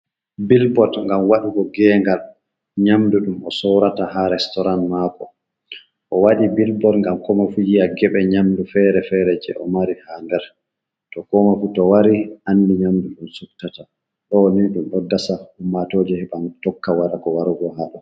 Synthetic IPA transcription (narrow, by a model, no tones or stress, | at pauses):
bilbɔtŋɡamwaɗuɡɔɡɛŋɡal | ɲamduɗumɔsɔɾataɦaɾɛstɔɾanmakɔ | ʔɔwaɗibilbɔtŋɡamkɔmafujijaɡɛɓɛɲamdufɛɾɛfɛɾɛd͡ʒɛ̰ʔɔ̰maɾihandɛɾ | tɔkɔmafutɔwaɾiʔanːdiɲamduɗumsuktata | ɗɔniɗumʔɔdːasahumːatoːd͡ʒɛhɛɓantɔkːawaɾakɔwaɾuɡɔɦaɗɔ